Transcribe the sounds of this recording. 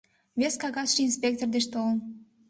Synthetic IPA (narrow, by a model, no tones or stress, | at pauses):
βʲeskɑɣɑsʃiinspʲek̚t̪ord̪eʃt̪oln